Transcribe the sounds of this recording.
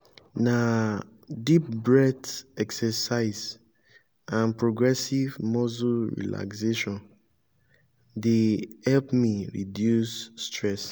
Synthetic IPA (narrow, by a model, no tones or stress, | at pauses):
na | dip̚bɹɛdɛksɛsaɪz | ãnpɹoɡɹɛsivmɔzuɹḭla̰kseʃɔ̃n | dehɛlpmiɹḭdjusːtɹɛs